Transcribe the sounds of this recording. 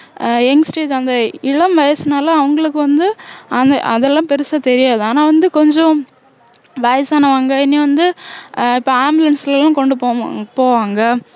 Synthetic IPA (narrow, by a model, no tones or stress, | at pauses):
ɛŋɡsʈeːd͡ʒɐnd̪ɐɪɭɐmʋɐjɐsɯnaːlɐɐʋɐŋɡɐɭɯkːɯʋɐnd̪ɯɐnd̪ɐʔɐðɛlːãːpɛɾɯsat̪ɛɾɪjaːðɯaːnaːʋɐnd̪ɯkɔɲd͡ʒõ | ʋɐjɐsaːnɐʋaːŋɡɐɪnːiʋɐnd̪ɯɪpːoːaːmblɐnsɪlɛlːãːkɔɳɖɯpoːpoːʋaːŋɡɐ